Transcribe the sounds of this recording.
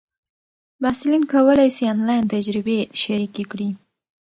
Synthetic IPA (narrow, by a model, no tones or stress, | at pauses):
masulinkawəlajsianlɑjnt̪ad͡ʒɾɪbeʃaɾikekɽi